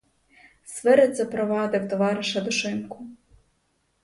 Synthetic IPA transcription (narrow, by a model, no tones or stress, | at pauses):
sʋɪɾɪzɐpɾɔʋɑd̪ɪwt̪ɔʋɑɾɪʃɐd̪ʊʃɪmkʊ